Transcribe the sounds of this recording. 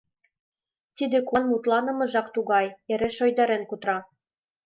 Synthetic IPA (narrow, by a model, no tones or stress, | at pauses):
t̪id̪ekonmut̪lɑnɤ̆mɤ̆ʒɑkt̪uɣɑjeɾeʃojd̪ɑɾenkut̪ɾɑ